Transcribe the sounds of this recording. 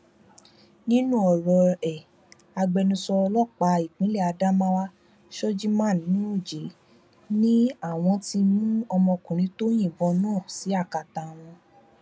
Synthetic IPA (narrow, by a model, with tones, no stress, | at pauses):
nĩ˦nũ˦ɔ˨ɾɔ˧ɛ˨ | a˧ɡ͡bɛ˧nũ˧sɔ˧lɔ˦˨k͡pa˧˦i˦˨k͡pĩ˨˦lɛ˦˨a˧da˦mã˦wa˦ | ʃɔ˦d͡ʒi˦mã˦˨nĩ˦o˦˨d͡ʒe˨˦ | nĩ˦a˦˨w̃ɔ̃˧ti˧mũ˦ɔ˧mɔ̃˧kũ˨ɾ̃ĩ˨˦to˦j̃ĩ˦˨bɔ̃˧nãː˦˨si˨˦a˦˨ka˨ta˨w̃ɔ̃˧